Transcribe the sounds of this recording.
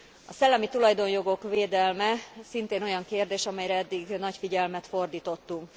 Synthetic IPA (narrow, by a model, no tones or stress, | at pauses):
ɒsɛlːɛmit̪ulɒjd̪o̞njo̞ɡo̞kʋeːd̪ɛlmɛsint̪eːno̞jɒŋkeːrd̪eːʃɒmɛjɾɛɛd̪ːiɡnɒcfiɟɛlmɛt̪fo̞rd̪iːt̪o̞t̪ːuŋk